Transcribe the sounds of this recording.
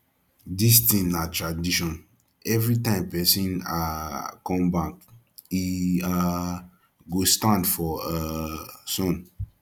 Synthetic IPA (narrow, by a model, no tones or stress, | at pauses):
distĩnnatɹadiʃɔ̃n | ɛvɹitãɪ̃mpɛsĩnakɔ̃mbak̚ | ia | ɡostãndfɔasɔ̃n